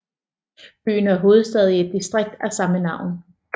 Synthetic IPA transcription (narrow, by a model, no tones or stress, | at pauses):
b̥y̰ːnæɐɦo̝ːð̞̩ˠsd̥ɛð̞ˠie̝d̥̚ːisd̥ʁeɡ̥̚d̥æsɑ̈mənɑ̈ʊ̰n